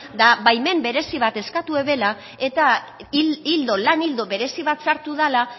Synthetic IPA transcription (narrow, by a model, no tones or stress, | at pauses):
d̪aβajme̞mbe̞ɾe̞siβat̪e̞skat̪ue̞βe̞la | e̞t̪a | ild̪o̞lanild̪oβe̞ɾe̞siβat̪saɾt̪uð̞ala